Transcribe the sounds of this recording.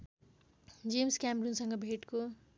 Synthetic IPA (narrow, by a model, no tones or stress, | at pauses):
d͡zemskamɾunsʌŋɡʌbʱeʈko